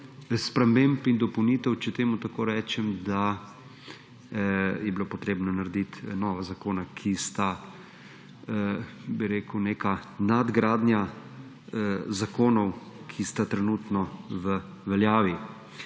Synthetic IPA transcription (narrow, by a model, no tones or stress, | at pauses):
spɾɛmempind̪ɔpɔwnit̪ɛwt͡ʃɛt̪eːmut̪akoːɾɛːt͡ʃɛmd̪a | jɛbiloːpɔt̪ɾeːbnɔnaɾɛd̪it̪nɔːʋazakoːnakʰist̪a | biɾeːkuwneːkanad̪ɡɾaːd̪nja | zakoːnɔw | kʰist̪at̪ɾɛnuːt̪nɔʋə | ʋɛljaːʋi